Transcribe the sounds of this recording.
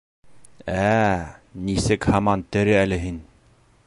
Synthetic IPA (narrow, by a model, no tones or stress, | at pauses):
æ | nisɘkhɑmɑnt̪ɘ̆ɾɘælɘɦin